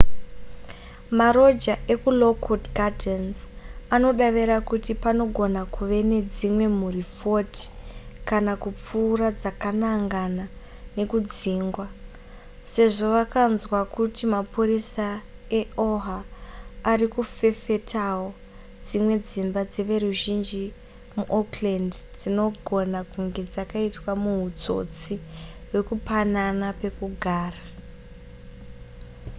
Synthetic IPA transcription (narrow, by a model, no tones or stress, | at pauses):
maɾo̞d͡ʒaʔe̞kulo̞kʰodɡadensano̞ɗaʋeɾakutipano̞ɡʱo̞nakʰuʋe̞ne̞d͡zimwe̞murifo̞ti̥kanakup͡fuːrad͡zakanaŋɡana | ne̞kud͡ziːŋɡwa | se̞ʐo̞ʋakanzwakutimapurisae̞o̞ɦaː | rikufe̞fe̞tʰawo̞ | d͡zimwe̞d͡zimbad͡zeʋe̞ruʒind͡ʒi | muʔoklendd͡zino̞ɡʱo̞nakuŋɡe̞d͡zakaitwamuɦud͡zo̞̰t͡siwe̞kupananape̞kuɡʱaːra